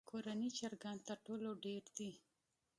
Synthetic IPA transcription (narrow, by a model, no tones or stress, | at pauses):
kʰoɾanit͡ʃɑɾɡant̪əɾʈoloɖeɾd̪i